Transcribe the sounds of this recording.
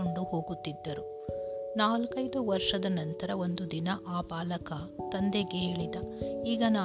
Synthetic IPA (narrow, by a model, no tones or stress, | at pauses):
oɳɖuho̞ːɡut̪ːid̪ːɐɾu | naːlkɐjd̪uʋɐɾʂɐd̪ɐnɐnt̪ɐɾɐo̞nd̪ud̪inɐʔaːpaːlɐkɐt̪ɐnd̪eɡeɦe̞ːɭid̪ɐiːɡɐnaː